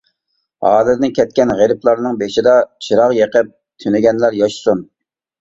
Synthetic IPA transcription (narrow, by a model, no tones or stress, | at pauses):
hɑːlɨɾnɪkʲʰɛt̪̚kʲɛnʁeɾɪplˠɑɾnɨŋbeʃɪd̪ɑt͡ʃʰiɾɑʁjeqəp̚ | t̪ʰynɪɡʲɛnlæɾjɑʃsun